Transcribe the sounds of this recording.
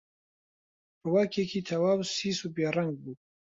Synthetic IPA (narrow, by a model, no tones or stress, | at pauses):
bɐwaːkʰeːkʰiːt̪ʰɐwaːwsiːsubeːrɐŋɡ̚buː